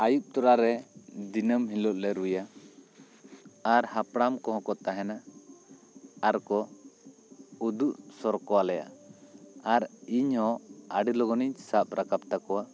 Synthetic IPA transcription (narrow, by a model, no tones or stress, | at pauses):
ajup̚t̪ɔɾaɾɛd̪inəmɦilɔʔ̪̚lɛɾuja | aɾhapɽamkɔɦɔ̃kɔt̪aɦɛna | aɾkɔ | ud̪uʔsɔɾkɔwalɛja̰ | aɾiɲhɔ̃aɖilɔɡɔniɲsap̚ɾakap̚t̪akɔwa